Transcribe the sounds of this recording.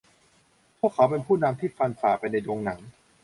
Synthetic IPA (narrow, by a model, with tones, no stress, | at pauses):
pʰu˥˩əkʰːa˦wpe˧npʰuː˥˩na˧mt̪ʰiː˥˩fa˧nfaː˩pa˧jna˧jdoː˧ŋna˩˦ŋ